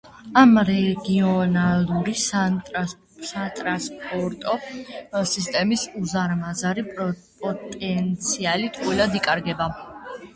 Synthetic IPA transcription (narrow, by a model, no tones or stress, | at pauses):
amɾɛɡiɔnalˠuɾi | sat̪ʼɾaspʼɔɾt̪ʼɔ | sist̪ʼɛmisuzaɾmazaɾipʼɔt̪ʼɛnt̪sʰialit̪ʰʼqʼwilad̪ikʼaɾɡɛba